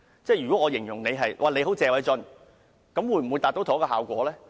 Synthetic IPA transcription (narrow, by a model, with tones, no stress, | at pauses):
t͡sɛː˥˩jyː˨˩kɔː˨˥ŋɔː˨˧jɪ˨˩ŋjʊ˨˩ŋne˨˧jɦɐ˨jwʔaː˨ne˨˧jɦo˨˥wt͡sɛː˨˧wɐ˨˥jt͡sɵ˧n | kɐ˨˥mwuː˨˥jm̩˨˩wjt̪aː˨t̪o˨˥wt̪ʰːkɔː˧ɦaː˨˩wkʷɔ̰ː˨˥lɛː˥